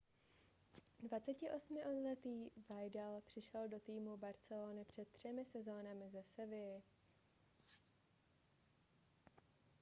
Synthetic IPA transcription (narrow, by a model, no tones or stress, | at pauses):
dvat͡sɛcɪʔo̞smɪʔolɛt̪iːvajdalpr̝̥ɪʃɛldo̞t̪iːmubaɾt͡sɛloːnɪpr̝̥ɛt̪̚t̪ːr̝̥ɛmɪsɛzo̞ːnamɪzɛsɛvɪɪ